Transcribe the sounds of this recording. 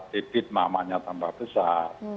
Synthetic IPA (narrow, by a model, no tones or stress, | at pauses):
t̪ipɪt̪̚ma̰maɲat̪ambahb̥əsat